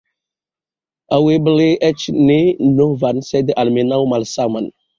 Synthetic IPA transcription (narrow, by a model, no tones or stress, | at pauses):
awebəleʔɛt͡ʃnenovansedʔalmenawmalsaman